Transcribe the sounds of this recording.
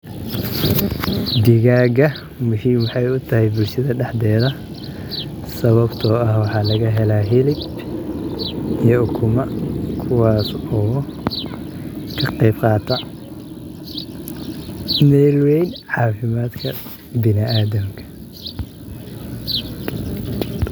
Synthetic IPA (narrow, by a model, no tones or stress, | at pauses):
d̪ɪɣaːɡɐ | mʊʃiːmwɑħɑjʊt̪ʰɐɦɛjbʊlʃɐðɐɖɛħd̪ɛːðɐ | sɐβɐbt̪ʰɔːɐhwɑħɑːlɐɣɐɦɛlaːɦɪlɪb | ijɔʊkʰʊmɐkʰʊwɑːsɔː | kʰɐqɛjbqɑːt̪ʰɐ | mɛːlwɛjnʕɑːfɪmaːd̪kʰɐ̰ | bɪnɪaːðɐmkʰɐ̥